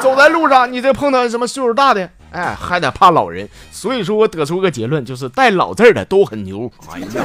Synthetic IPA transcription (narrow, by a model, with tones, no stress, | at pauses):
t͡so˨˩ʊt͡sa˥˧ɪlu˥˧ʂɑ˥˩ŋni˨˩ʈ͡ʂə˥˩ɡə˧pʰɤ˥˧ŋt̪ɑ˥˧˥ʂə˧˥mə˧su˥˧ə˧˥t̪a˥˩d̪ə˨˩ | a˥˩ɪxa˥ɪt̪ə˨˩pʰa˥˩lɑ̰˨˩ʊɻə̰˧˥n | swɔ˧˥i˨˩ʂwɔ˥wɔ˧˥t̪ɤ˧˥ʈ͡ʂʰu˥i˧˥ɡə˧t͡ɕjɛ˧˥lwə˥˧nt͡ɕjo˥˧ʊʂ̬ɻ̩˥˧t̪a˥˩ɪlɑ̰˨˩ʊt͡sə˥˩d̪ə̰˩t̪o˥ʊxə˨˩nnjo̰˧˥ʊ˧